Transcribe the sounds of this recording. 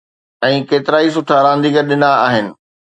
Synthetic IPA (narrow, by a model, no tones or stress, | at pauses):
ɛ̃ːkeːt̪ɪɾaːis̬ʊʈʰaɾãːnd̪iːkəɾɗɪnd̪aːɦɪnɪ̆